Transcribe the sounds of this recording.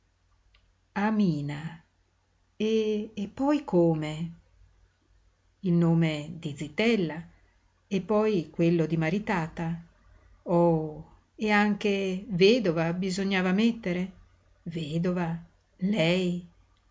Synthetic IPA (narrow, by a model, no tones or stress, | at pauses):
amiːna | eːpːɔjkoːme | ilnoːmed̪id̪zit̪ɛlːa | epːɔjkwelːod̪imaɾit̪aːt̪a | ɔ | eaŋk̟eveːd̪ovabizoɲːaːvamet̪ːeɾe | veːd̪ova | lɛj